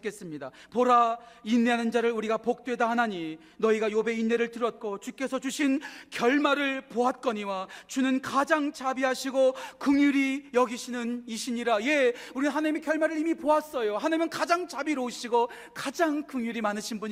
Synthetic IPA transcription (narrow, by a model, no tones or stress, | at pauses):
k͈e̞s͈ɯmɲidapoɾainːeɦanɯnd͡ʑaɾɯɭuɾiɡapok̚t͈we̞dahanaɲi | nʌiɡajobe̞inːe̞ɾɯɭtɯɾʌt̚k͈ʰot͡ɕuk͈e̞sʰʌt͡ɕuɕʰinkjʌɭmaɾɯɭpoat̚k͈ʌɲiwat͡ɕunɯnkad͡ʑaŋt͡ɕabiɦaɕʰiɡokɯŋjuɾijʌɡiɕʰinɯniɕʰiɲiɾaje̞uɾinnɦanaɲimekjʌɭmaɾɯɾimipoas͈ʌjohanamjʌnkad͡ʑaŋt͡ɕabiɾouɕʰiɡo | kad͡ʑaŋkɯŋɲjuɾimanɯɕʰinbuɲ